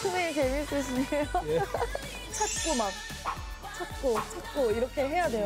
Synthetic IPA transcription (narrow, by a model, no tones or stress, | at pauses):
tʰumet͡ɕemis͈uɕ̬ʰiɲejo | t͡ɕʰat̚k͈omak̚ | t͡ɕʰat̚k͈ot͡ɕʰat̚k͈oiɾʌkʰe̞ɦe̞jadwe̞jo